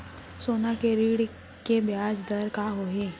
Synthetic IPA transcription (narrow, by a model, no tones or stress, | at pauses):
soːnakeɾiːɽ | kebjad͡ʒd̪əɾkaɦoɦe